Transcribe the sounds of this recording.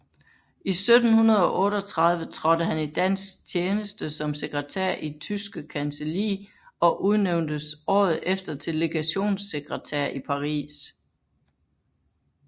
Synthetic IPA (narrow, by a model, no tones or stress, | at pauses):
ʔisød̥n̩hunɐð̞ˠɒ̽ʔɔ̽ːɾɒ̽t͡sʰʁɑ̈ð̞ˠʋət͡sʰʁɒ̽d̥əɦænid̥æn̰sɡ̥t͡sʰjeːnəsd̥əsɒ̽mse̝ɡ̥ʁɐt͡sʰæɐ̰ʔit͡sʰysɡ̥əkʰænselḭː | ɒ̽ʔuð̞ˠneʊnd̥əsɒ̰ːð̞̩ˠefd̥ɐt͡sʰe̝le̝ɡ̥æɕo̝̰ːnse̝ɡ̥ʁət͡sʰæɐ̰ʔipʰɑ̈ʁḭːs